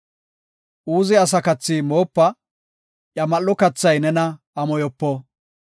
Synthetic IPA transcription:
ʔuːzɪɐs̬ɐkɐt͡sːimo̞ːpːɐ | ʔjɐmɐlːɔkɐt͡sːɐjnɛnɐ | ɐmɔjɔpːɔ

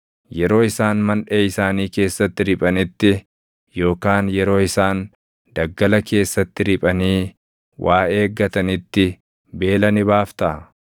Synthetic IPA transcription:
jɛɾo̞ːɪsaːnmɐnᶑeːɪsaːniːke̞ːsːɐt̪ːɪɾɪpʼɐnɪt̪ːɪ | jo̞ːkaːnjɛɾo̞ːɪsaːn | d̪̥ɐɡːɐlɐkʰe̞ːsːɐt̪ːɪɾɪpʼɐniː | wʔaːe̞ːɡːɐt̪ɐnɪt̪ːɪ | be̞ːlɐnɪbaːft̪ɐ

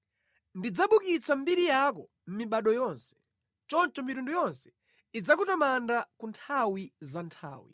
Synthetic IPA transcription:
ndid͡zaɓukit͡sʰam̩biɾijakɔ | m̩miɓaɗɔjɔnsɛ̥ | t͡ʃɔnt͡ʃɔmitundujɔnsɛ̥ | id͡zakutamandakuntʰawizantʰa̰ːwḭ

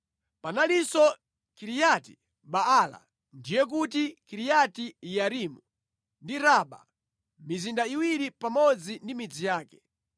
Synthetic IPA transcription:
panalisɔ | kiɾijati̥ | ɓaala̰ | ndijɛk̬utikiɾijatijaɾimu | ndiɾaɓa̰ | mizindaiwiɾipamɔd͡zindimid͡zijaːkɛ̥

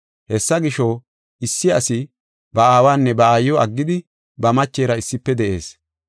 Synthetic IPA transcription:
hɛsːɐɡɪʃɔ | ɪsːɪɐsɪ | bɐaːwaːnːɛbɐaːjːɔɐɡːɪd̪ɪ | bɐmɐt͡ʃːeːɾɐɪsːɪpːɛd̪ɛʔe̞̰ːs

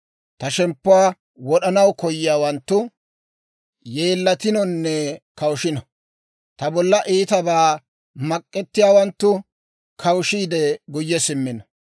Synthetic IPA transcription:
t̪ɐʃɛmpːʊwaː | wɔɗɐnɐwkɔjɪjaːwɐnt̪ːʊ | je̞ːlːɐt̪ɪnɔnːɛkɐwʊʃɪnɔ | t̪ɐbɔlːɐʔiːt̪ɐbaː | mɐkʼːɛt̪ːɪjaːwɐnt̪ːʊ | kʰɐwʃiːd̪ɛɡʊjːɛsɪmːɪnɔ

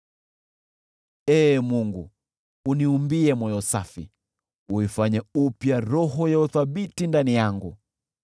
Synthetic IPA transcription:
ɛːmuŋɡu | uniumbiɛmɔjɔsafḭ | uifaɲɛupjaɾɔɦɔjauθaɓitindanijaŋɡu

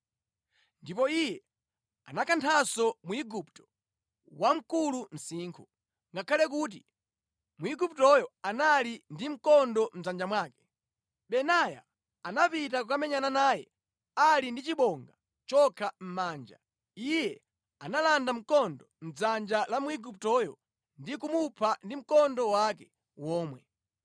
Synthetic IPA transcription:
ndipɔijɛ | anakʰantʰasɔmuiɡuptɔ̥ | wam̩kulum̩siːŋkʰu | ŋɡakʰalɛk̬uːt̬i | muiɡup̚tɔjɔanalindim̩kɔndɔm̩d͡zand͡ʒamwaːkɛ̥ | ɓɛnaja̰ | anapitakukamɛɲananaːjɛ̰ | alindit͡ʃiɓɔŋɡa | t͡ʃɔkʰam̩maːnd͡ʒa̰ | ijɛ | analandam̩kɔndɔm̩d͡zand͡ʒalamuiɡup̚tɔjɔ | ndikumupʰandim̩kɔndɔwakɛ | wɔːmwɛ

